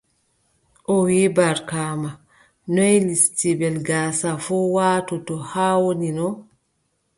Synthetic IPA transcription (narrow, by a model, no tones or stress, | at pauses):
ʔɔwibaɾkaːma | nɔjlistibɛlɡaːsafɔwaːtɔtɔhaːwoninɔ